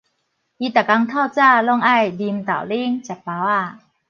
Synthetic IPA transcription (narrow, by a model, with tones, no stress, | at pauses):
ʔi˧t̪a˨˩ka˧ŋt̪ʰa˥˧˩wt͡sa˥˧lɔ˥˩˨ŋa˥˨jdi˧mt̪a̰˨˩wli˦ŋt͡ɕa˨˩t̚pa˧wa˥˩